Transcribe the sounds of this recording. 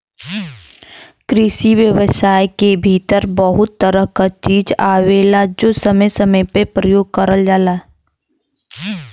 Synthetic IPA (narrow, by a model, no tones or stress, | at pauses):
kɾɪʃiʋjəʋəsaːjkebʱiːt̪əɾbəɦʊt̪ːəɾəɦkat͡ʃiːd͡ʒaːʋeːlad͡ʒoːsəməjsəməjpepɾəjoːɡ̚kəɾəld͡ʒaːlaː